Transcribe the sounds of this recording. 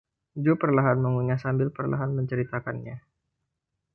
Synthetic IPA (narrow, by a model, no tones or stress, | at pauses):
d͡ʒupərlaɦanməŋuɲasambɪlpərla̰ɦanməɲt͡ʃəɾit̪akanɲa